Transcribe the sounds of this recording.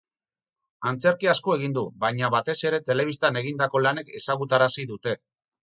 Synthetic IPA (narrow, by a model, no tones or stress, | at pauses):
ant͡se̞ɾkiaskoe̞ɣ̞ind̪uβajɲaβat̪e̞se̞ɾe̞t̪e̞le̞β̞ist̪ane̞ɣ̞ind̪ako̞lane̞ke̞saɣ̞ut̪aɾasiðut̪e̞